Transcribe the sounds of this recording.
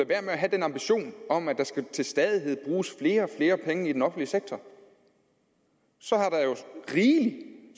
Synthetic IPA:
æʋæɐ̰meæɦæd̥enɑ̈mb̥iɕo̝̰ːnɒ̽mædd̥ɑ̈sɡ̥æt͡sʰe̝lsd̥ɛːð̞ˠiɦe̝ð̞̰ˠb̥ʁuːsfle̝ːɐfle̝ːɐpʰeŋəid̥enɒ̽fn̩liəseɡ̥̚t͡sʰɒ | sɒ̽hɑ̈ɾ̥ɑ̈jo̝ʁiːli

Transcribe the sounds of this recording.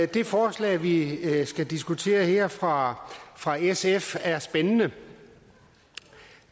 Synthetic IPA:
d̥e̝fɒːslɛ̰ːʋisɡ̥æd̥isɡ̥ut͡sʰe̝̰ːɐhḛɐ̰fʁɑ̈fʁɑ̈esefæɐsb̥enənə

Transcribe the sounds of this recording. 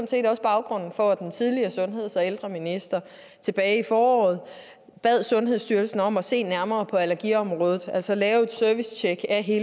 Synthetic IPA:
nse̝̰ːdɒ̽sb̥ɑ̈ʊɡ̥ʁɔ̽n̰n̩fɒ̽d̥ent͡sʰið̞ˠliɐsɔ̽nɦe̝ð̞̰ˠsɒ̽eld̥ʁɐminisd̥ɐ | t͡sʰe̝b̥ɛːɪifɒːɒ̰ːð̩ˠ | b̥ɛð̞̰ˠsɔ̽nɦe̝ð̞̰ˠsd̥yɐlsn̩ɒ̽mɒse̝̰ːnæɐmɐːpʰɒ̽ælɐɡ̥iɒ̽mʁɔːð̞ˠð̩ˠæl̰sɒ̽lɛːʊe̝d̥sœɐʋist͡ɕʰeɡ̥æɦe̝ː

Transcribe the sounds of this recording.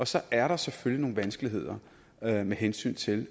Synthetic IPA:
ɒ̽sɒ̽æɐɾɑ̈seføljino̝ːn̩ʋænsɡ̥əliɦe̝ð̞̰ˠɐ | meɦensy̰ːnt͡sʰe̝l

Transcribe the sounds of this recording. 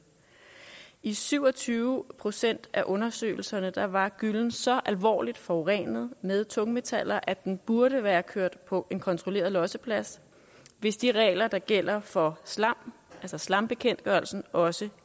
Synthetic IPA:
isyʊ̰ɒ̽t͡sʰyːʊpʰʁo̝sen̰d̥æʔɔ̽nɐsø̰ːɪl̩sɐnəd̥ɑ̈ʋɑ̈ɡ̥yln̩sɒ̽ʔælʋɒ̰ːlid̥fɒʊʁɛ̰ːnð̞̩ˠmeð̞ˠt͡sʰɔ̽ŋme̝t͡sʰæl̰ɐʔæd̥enb̥uɐɾəʋæːɐkʰøɐ̰d̥pʰɒ̽ʔe̝nkʰɒ̽nt͡sʰʁole̝̰ɐð̞ˠlɒ̽səpʰlæs | ʋe̝sd̥iʁɛ̰ːlɐd̥ɑ̈ɡ̥el̰ɐfɒ̽slɑm̰ælsɐslɑ̈mb̥e̝kʰen̰d̥ɡ̥ɶɐlsn̩ɒ̽sə

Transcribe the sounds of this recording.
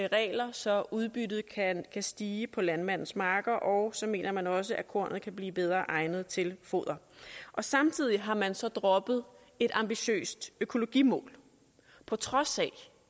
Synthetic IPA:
ʁɛ̰ːlɐsɒ̽ʔuðˠb̥ydð̞̩ˠkʰænkʰæsd̥iːəpʰɒ̽lænmæn̰n̩ˠsmɑ̈ːɡ̥ɐʔɒʊsɒ̽me̝̰ːnɐmænɒ̽s̬əʔækʰo̝ɐ̰nð̩ˠkʰæb̥liːb̥eð̞ˠʁɐːʔɑ̈ɪnð̞̩ˠt͡sʰe̝lfo̝̰ðˠɐʔɒ̽sɑ̈mt͡sʰið̞̰ˠiɦɑ̈mænsɒ̽d̥ʁɒ̽b̥ð̩ˠ | e̝d̥ɑ̈mb̥iɕø̰ːsd̥økʰo̝lo̝ɡ̥imɔ̰̽ːl | pʰɒ̽t͡sʰʁɒ̽sɛ

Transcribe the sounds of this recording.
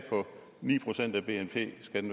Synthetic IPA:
pʰɒ̽ | nḭːpʰʁo̝sen̰d̥æb̥e̝ːenpʰe̝̰ːsɡ̥æd̥enʋ

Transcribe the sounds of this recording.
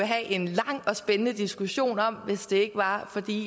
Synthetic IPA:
eɦæʔe̝nlɑ̈ŋ̰ɒ̽sb̥enənəd̥isɡ̥uɕo̝̰ːnɒ̽m̰ʋe̝sd̥e̝e̝ɡ̥əʋɑ̈fɒ̽d̥ḭ

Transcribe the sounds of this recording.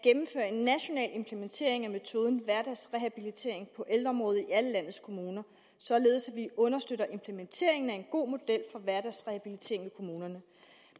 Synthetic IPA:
ɡ̥emm̩fø̰ːɐe̝nːæɕo̝nɛ̰ːle̝mpʰlement͡sʰe̝̰ɐ̰e̝ŋæme̝t͡sʰo̝ːð̞ˠn̩ʋæɐd̥æsʁehæb̥ilit͡sʰe̝̰ɐ̰e̝ŋpʰɒ̽ʔeld̥ʁɐɒ̽mʁɔːð̞ˠiæləlæn̰ð̩ˠskʰo̝muːnɐ | sɒ̽le̝ːðˠsæʋiɔ̽nɐsd̥øɾɐʔe̝mpʰlement͡sʰe̝̰ɐe̝ŋn̩æe̝nɡ̥o̝̰ːmo̝d̥el̰fɒ̽ʋæɐd̥æsʁehæb̥ilit͡sʰe̝̰ɐ̰eŋʋekʰo̝muːnɐnə

